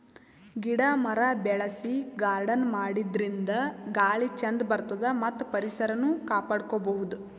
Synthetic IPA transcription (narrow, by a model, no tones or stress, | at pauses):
ɡiɽamɐɾɐbɛɭɐsiɡaːɾɖɐnmaːɽid̪ɾind̪ɐɡaːɭit͡ʃɐnd̪bɐɾt̪ɐd̪ɐmɐt̪ːpɐɾisɐɾɐnukaːpaːɽkobɐɦud̪u